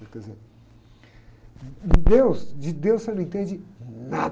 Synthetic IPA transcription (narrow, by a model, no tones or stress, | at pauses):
kɛdɪzeɾ | d̪ewsd͡ʒɪd̪ewssewñẽt̪ẽd͡ʒɪna